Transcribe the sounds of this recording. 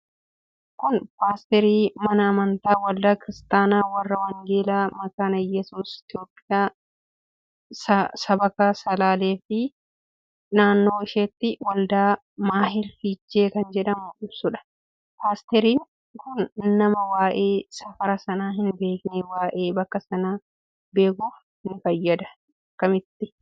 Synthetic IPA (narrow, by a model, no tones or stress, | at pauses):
kʊnpaːst̪ɛɾiːmɐnɐːmɐnt̪aːwɐld̪aːkɪɾɪst̪aːnaːwɐrːɐwɐŋɡeːlaːmɐkaːnɐjɛsuːsɪ̥t̪jo̞ːpʼːɪjaː | ɐsɐbɐkaːsɐlaːle̞ːfɪ | naːnːo̞ːɪʃet̪ːɪwɐld̪aː | maːɦɪlfid͡ʒːeːkɐnd͡ʒɛᶑɐmʊᶑɪbsʊᶑɐ̥ | paːst̪ɛɾiːŋ | kʊnːɐmɐwaːʔe̞ːsɐfɐɾɐsɐnaːɦɪnbe̞ːknewaːʔe̞ːbɐkːɐsɐnaː | be̞ːkʊ | hɪnfɐjːɐd̪ɐ | ɐkːɐmɪt̪ːɪ